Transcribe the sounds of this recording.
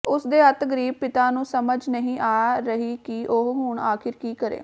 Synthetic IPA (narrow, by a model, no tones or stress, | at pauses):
ʊsd̪eːət̪ɡəɾiːb̚pɪt̪aːnũːsəməd͡ʒnəɦĩːʔaːɾəɦiːkiʔoɦɦʊɳaːkʰɪɾkiːkəɾḛː